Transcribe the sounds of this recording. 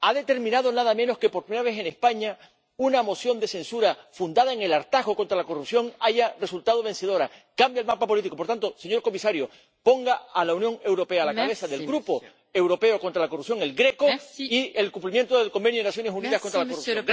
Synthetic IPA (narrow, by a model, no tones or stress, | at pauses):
aðe̞t̪e̞ɾmĩnaðo̞naðamẽ̞no̞hke̞poɾpɾimeɾaβe̞se̞nehspaɲa | unamo̞sjo̞nd̪e̞se̞nsuɾafund̪að̞aeŋe̞laɾt̪aɦɣo̞kont̪ɾalako̞rupsjo̞ŋaʝare̞sult̪að̞o̞βe̞nse̞ð̞o̞ɾakambjaelmapapo̞lit̪iko̞poɾt̪ant̪o̞se̞ɲo̞ɾko̞misaɾjo | po̞ŋɡaːlaunjo̞ŋe̞wɾo̞pe̞alakaβe̞saðe̞lɡɾupo̞ | ewɾo̞pe̞oko̞nt̪ɾalakorupsjo̞ŋe̞lɡɾe̞ko̞ie̞lkumplimjent̪oðe̞lko̞mbe̞njoenasjo̞nesuniðahkont̪ɾalakuorup